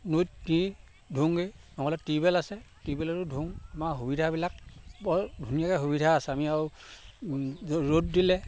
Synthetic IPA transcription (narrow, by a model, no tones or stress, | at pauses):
nut̚ni | dʱuŋɡenɔŋɔlɛtibɛlasɛtibɛlaɹʊdʱuŋamaɦubidʱabilak̚bɔdʱunijakɛɦubidʱaːsɛamiaw | ɔɹot̚dilɛ